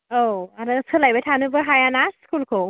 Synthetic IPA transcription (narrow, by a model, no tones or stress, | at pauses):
oaɾat͡sʰəlajbetʰanɯbəɦajanaskʰulkʰo